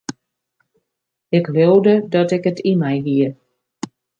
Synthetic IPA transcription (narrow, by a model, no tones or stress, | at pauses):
ɪklowdədɔtɪkətʰimɛjʋiə